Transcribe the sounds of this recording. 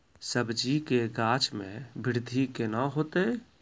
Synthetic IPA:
səbd͡ʒikeɡaːt͡ʃmḛ̃bɪɾd̪ʱikenaɦoːt̪e

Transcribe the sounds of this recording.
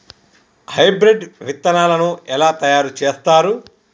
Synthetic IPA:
hɐjbɾeɖʋit̪ːɐnaːlɐnuɛlaːt̪ɐjaːɾut͡ʃeːst̪aːɾu

